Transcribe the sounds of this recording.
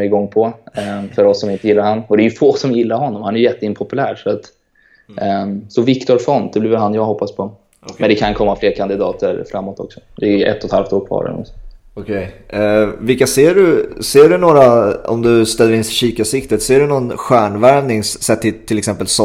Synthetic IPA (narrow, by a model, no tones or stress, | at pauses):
ɪɡɔŋːpʰɔfœɾɔsːɔmɪnt̪əjɪlːaɾhanːɔd̪ɛːjɵfoːsɔmjɪlːaɾɦɔnːɔmhanɛɾjʏjɛt̪ːəɪnpʰɔpɵlæːɾʂɔat̪ | sɔvɪkt̪ɔɾfɔnd̪̥ɛblɪːvəɦanjɑːɡhɔpːaspʰɔ | mɛnd̪ɛkʰankʰɔmːafleːɾkʰand̪ɪd̪ɑːt̪əɾfɾamːot̪ɔ̰ksɔ̥d̪ɛʔɛ̰t̪ːɔt̪ha̰lft̪oːɾkʰvɑ̰ːɾɛ̰nɔ̰msɔ | ɔkʰɛj | vɪlkːaseːɖɵseːɖɵnoːɾaɔ̰md̪ɵst̪ɛlːəɾɪnsɕiːkasɪk̚t̪ət̪seːɖɵnɔnɧæːɳvæɾnɪŋsːɛt̪ʰːɪt̪ʰːɪlɛksɛmpəlsɔ